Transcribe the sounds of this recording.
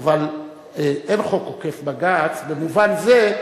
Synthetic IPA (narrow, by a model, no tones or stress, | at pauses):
val | eʔenχo̞koke̞fbaɡat͡sbe̞muvanze